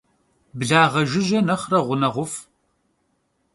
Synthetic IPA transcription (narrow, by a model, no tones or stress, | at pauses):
bɮaːʁɐʒɪʒɐnɐχrɐʁʷʊnɐʁʷʊf